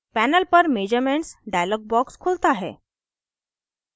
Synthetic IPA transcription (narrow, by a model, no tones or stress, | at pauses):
pænəlpəɾmed͡ʑəɾmeɳʈsɖajlɔɡ̚bɔkskʰolt̪aɦḛ